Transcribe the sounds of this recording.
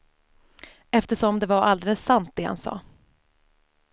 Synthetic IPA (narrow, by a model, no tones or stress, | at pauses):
ɛft̪əʂɔmd̪ɛvaɾald̪ɛləsːant̪̚d̪eːha̰nsɑ̰ː